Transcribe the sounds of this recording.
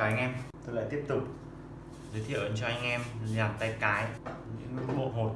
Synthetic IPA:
ʔa˧jŋ̟ʔɛ˧mt̪o˧jla̰ː˧˨jt̪i˦˥əp̚t̪ʊ˨˩k͡p̚ | zə˨˦jt̪ʰḭ˧˨ʔə˨˦nt͡ɕɔ˧ʔa˧jŋ̟ʔɛ˧mlaː˨˩t̪a˧jkaː˨˦jɲɨ̰˧˥ŋmɨ̰˧˥ŋɓo̰˧˨ɦo˨˩

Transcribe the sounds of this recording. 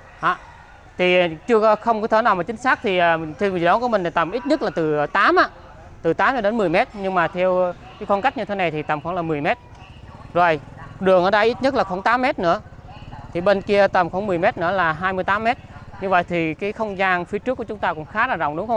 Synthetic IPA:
ʔaː˨˩ | t̪ʰi˨˩˨t͡ɕɨ˧əkɔ˨˦xə˧wŋ͡mkɔ˨˦t̪ʰəː˨˦naː˨˩wmaː˨˩t͡ɕï˨˦ŋ̟saː˦˥k̚t̪ʰi˨˩aː˨˩t̪ʰi˧wɗɔ˨˦ku˧˩˦m˨˩ŋ̟la˨˦t̪ə˨˩mʔi˦˥t̚ɲə˦˥t̚laː˨˩t̪ɨ˨˩˨t̪aː˨˦mʔaː˧˥ | t̪ɨ˨˩t̪aː˨˦mt͡ɕɔ˧˩ɗe˨˦nmɨ˨˩əjmɛ˦˥t̚ɲɨ˧ŋmaː˨˩t̪ʰɛ˧əw | kaː˨˦jkɔ˧nka˦˥k̟̚ɲɨ˧t̪ʰe˨˦na˨˩jt̪ʰi˨˩t̪ə˨˩mxɔ̰˧˥˦ŋlaː˨˩mɨ˨˩əjmɛ˦˥t̚ | zo˨˩jɗɨ˨˩əŋʔəː˧˦ɗə˧jʔi˦˥t̚ɲə˦˥t̚laː˨˩xo˧˩˦ŋt̪aː˨˦mːɛ˦˥t̚nɨ̰˧˥ə | t̪ʰi˨˩ɓe˧nki˧ət̪ə˨˩mxɔ˧˦nmɨ˨˩əjmɛ˦˥t̚nɨ̰˧˥əlaː˨˩ɦaː˧jmɨ˧jt̪aː˨˦mːɛ˦˥t̚ɲɨ˧və̰˧˨jt̪ʰi˨˩kaː˨˦jxə˧wŋ͡mzaː˧ŋfi˨˦ət͡ɕɨ˦˥kːət͡ɕʊ˨˦ŋ͡mt̪aː˧kʊ̰˧˥ŋ͡mxaː˨˦laː˨˩zɔ̰˧˨ŋ͡mɗʊ˨˦ŋ͡mxə˧ŋ͡m

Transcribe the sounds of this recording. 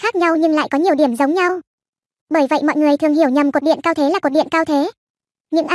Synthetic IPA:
xaː˦˥k̚ɲa˧wɲɨ˧ŋla̰ː˧˨jkɔ˨˦ɲi˨˩əwɗi˧˩əmzə˨˦wŋ͡mɲa˧w | ɓəː˧˩jvə̰˧˨jmɔ̰˧˨jŋɨ˨˩əjt̪ʰɨ˨˩əŋhi˧˩əwɲə˨˩mku˨˩t̚ɗḭ˧˨ənkaː˧wt̪ʰe˨˦laː˨˩ku˨˩t̚ɗḭ˧˨ə˨nkaː˧wt̪ʰe˨˦ | ɲɨ̰˧˥ŋʔa˧

